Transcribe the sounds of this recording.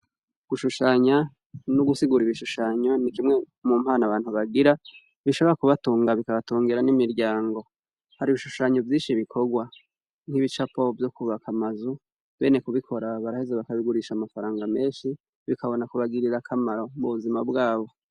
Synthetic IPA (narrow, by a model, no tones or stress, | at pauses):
ɡ̥uʃuʃaɲa | nuɡusiɡuɾiβiʃuʃaɲo̞nid͡ʒimŋe̞ | mum̥aːnaβaːn̥huβaɡiɾa | βiʃo̞βo̞ɾakuβatuːŋɡaβikaβatuːŋɡiɾanimiɾɟaːŋɡo̞ | haɾiβiʃuʃaɲo̞vjiːʃiβikʰo̞ɡwa | n̥hiβit͡ʃapo̞vjo̞kuβakamazu | βe̞ːne̞kuβikʰo̞ɾaβaɾahezeβakaβiɡuɾiʃamafaɾaːŋɡame̞ːnʃi | βikaβo̞nakuβaɡiɾiɾakʰamaɾo̞muβuzimabɡaːβo̞